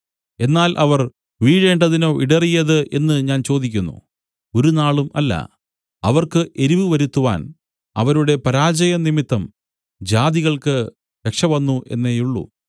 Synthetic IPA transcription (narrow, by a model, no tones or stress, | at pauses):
e̞nːaːlʔɐʋɐr | ʋiːɻe̞ːɳɖɐðino̞ːʔiɽɐrijɐðɨʔe̞nːɨɲaːnt͡ɕo̞ːd̪ikʲːunːṵ | o̞ɾunaːɭumɐlːɐ̰ | ɐʋɐrkɨʔe̞ɾiʋɨʋɐɾut̪ːuʋa̰ːn | ɐ̰ʋɐɾuɽe̞pɐɾaːd͡ʑɐjɐnimit̪ːɐm | d͡ʑaːðiɣɐɭkɨ | ɾekʂɐʋɐnːuʔe̞nːe̞juɭːṵ